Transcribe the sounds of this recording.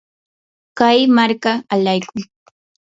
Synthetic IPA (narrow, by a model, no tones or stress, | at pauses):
kajmaɾkaːʎajkʊj